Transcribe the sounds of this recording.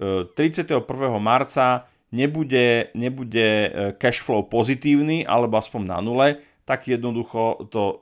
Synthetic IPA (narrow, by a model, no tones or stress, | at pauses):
t̪ɾit͡sɪat̪ɛɦɔpr̩ʋɛːɦɔmaɾt͡sa | ɲɛbuɟɛɲɛbuɟɛkɛʃflɔʊpɔzit̪iːʊniːʔa̰lɛbɔaspɔɲna̰nulɛ | t̪aɡjɛd̪nɔd̪uxɔt̪ɔ